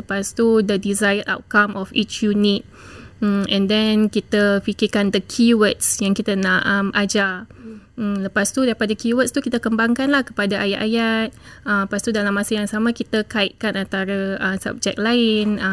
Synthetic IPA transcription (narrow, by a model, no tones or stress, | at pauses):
ləpast̪udədizajəɾʔa̰wt̪̚kamʔɔfit͡ʃjunit̪̩̚ | ɛ̃ndɛnkit̪əfikirkandəkʰiwət̪̚sjaŋkit̪anaʔəmʔad͡ʒa | ləpast̪udaɾipadakiwət̚st̪ukit̪akəmbaŋkanlahkə̥padaʔaja̰t̪ʔ̪ajat̪̚əmpast̪udalamːãsajaŋsamãkit̪akaiʔ̪̚kanant̪aɾaəmsa̰b̚d͡ʒɛ̰k̚laɪn